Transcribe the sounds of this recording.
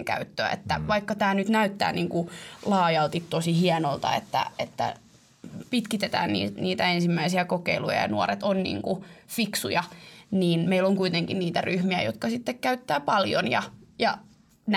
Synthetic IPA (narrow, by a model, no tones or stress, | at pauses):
ŋkæ̰yt̪ːøæ̰ḛt̪ːæʋɑikːɑt̪æːnyt̪næyt̪ːæ̰ːniːŋkulɑːjɑlt̪it̪t̪osihiɛnolt̪ɑ̰ḛt̪ːæ̰et̪ːæ̰ | pit̪kit̪et̪æ̰ːnnḭːniːt̪æensimːæisiækokeilṵjɑ̰jɑ̰nuoɾet̪onnḭːŋkufiksujɑniːnmeiloŋkuit̪eŋkinniːt̪æryhmiæ̰jot̪kɑsit̪ːekkæyt̪ːæːpɑljo̰njɑjɑ | n